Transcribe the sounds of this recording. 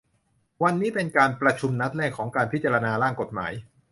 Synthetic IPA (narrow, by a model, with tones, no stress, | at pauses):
wa˧nːiː˦˥pe˧nkaː˧npɾa˧t͡ɕʰu˧mna˦˥t̪̚lɛː˥˩kʰːɔː˩˦ŋkaː˧npʰi˦˥t̪̚t͡ɕa˧ɾa˧naː˧ɾaː˥˩ŋko˨˩t̪̚ma̰ː˩˦j